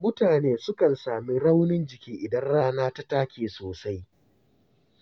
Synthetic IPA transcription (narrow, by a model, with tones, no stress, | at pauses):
mʊ˦taː˨neː˦sʊ˦kɐ˨nsaː˨mi˦ɽa˦wnɪ˦nd͡ʒɪ˨kʲiː˦ʔɪ˨dɐ˦nɽaː˦naː˦ta˦taː˦kʲeː˨soː˨sa˦j